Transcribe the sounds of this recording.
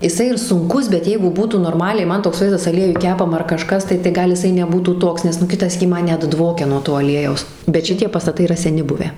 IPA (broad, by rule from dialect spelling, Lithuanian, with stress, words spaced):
jɪˈsɐɪ ɪr sʊŋˈkʊs bʲɛt ˈjɛɪɡʊ ˈbuːtuː noːrˈmɑːlʲɛɪ ˈmɐn toːks ˈʋɐɪzdɐs ɐˈlʲiɛjʊj ˈkʲæːpɐmɐ ɐr kɐˈʃkɐs ˈtɐɪ tɐɪ ˈɡɐlˠ jɪˈsɐɪ nʲɛˈbuːtuː ˈtoːks nʲɛs ˈnʊ ˈkʲɪtɐ ˈsʲiːkʲiː ˈmɐn ˈnʲɛt ˈdʋoːkʲɛ nuɔ ˈtoː ɐˈlʲiɛjɛʊs bʲɛt ˈʃʲɪtʲiɛ pɐstɐˈtɐɪ iːˈrɐ sʲɛˈnʲɪ ˈbʊʋʲæː